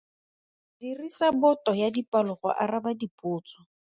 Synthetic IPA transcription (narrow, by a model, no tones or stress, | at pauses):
dirisabɔtʼɔjadipalʊχɔ̰ʔarabadipʼʊːt͡sʰʼɔ̥